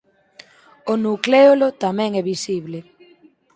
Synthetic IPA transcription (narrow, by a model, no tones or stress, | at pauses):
onukleolot̪amɛ̃ŋɛβisiβle